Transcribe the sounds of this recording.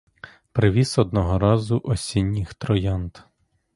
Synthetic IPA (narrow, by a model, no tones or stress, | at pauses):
pɾɪʋʲisɔd̪nɔɦɔɾɑzʊʔɔsʲinʲːɪxt̪ɾɔjɑnt̪